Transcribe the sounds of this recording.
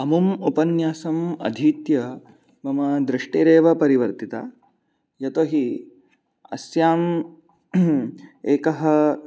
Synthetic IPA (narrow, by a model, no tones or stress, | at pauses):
ɐmumupɐnjaːsɐmɐ̰d̪ʱiːt̪jɐ | bɐmɐd̪ɾɪʂʈeːɾeːʋɐpɐɾiʋɐɾt̪it̪a̰ː | jɐt̪oːɦi | ɐ̰sjaːm | eːkɐɦɐ̆